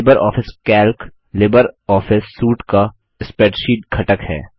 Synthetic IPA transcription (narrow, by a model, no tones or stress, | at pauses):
ɪbəɾʔɔ̰ːfɪskɛːlk | lɪbəɾɔːfɪsːuːʈka | ɪspeːʈʃiːʈ̚kʰɐʈəkhɛ̰ː